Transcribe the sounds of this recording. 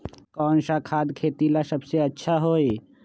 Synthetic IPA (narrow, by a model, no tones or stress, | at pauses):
kɔːnsakʰaːd̪kʰeːt̪ilasəbseətːʃʰaɦoːe